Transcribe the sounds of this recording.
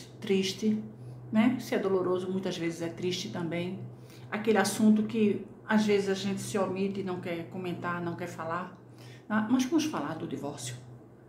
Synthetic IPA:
t̪ɾiʃt̪ɪnɛsɪɛd̪oloɾozʊmũj̃t̪ɐzvezɪzɛt̪ɾiʃt̪ɪt̪ɐ̃mbẽj̃ | akelɪasũnt̪ʊkɪ | azvezɪzaʒẽnt̪ɪ̥sɪoɾmit̪ɪnɐ̃w̃kɛɾkõmẽnt̪aɾnɐ̃w̃kɛɾfalaɾ | namɐzvɐ̃mʊsfalaɾd̪ʊd̪ivɔɾsjʊ

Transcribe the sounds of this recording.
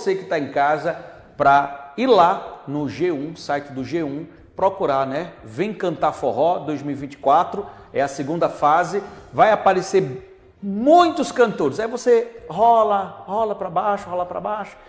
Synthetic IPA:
osekɪt̪aẽj̃kazɐ | pɾɐiɾlanʊʒeũsajt͡ʃɪd̪ʊʒeũ | pɾokuɾanɛvẽj̃kɐ̃nt̪afoɦɔd̪ojzmiwivĩnt͡ʃɪ̥kwat̪ɾʊ | ɛɐseɡũnd̪ɐfazɪvajapaɾeseɾ | mũj̃t̪ʊskɐ̃nt̪oɾɪzajvoseɦɔlɐhɔlɐpɾɐbajʃʊhɔlɐpɾa̰bajʃʊ̥

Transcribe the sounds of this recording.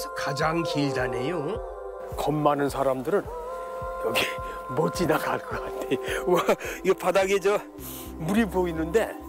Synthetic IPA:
kad͡ʑaŋkiɭd͡ʑanejo | kʌmːanɯnsʰaɾamdɯɾɯn | kʌɡimot͡ɕ͈inaɡaɭk͈ʌkatʰewʌiʌpʰadaɡed͡ʑʌ | muɾiboinɯnde̞

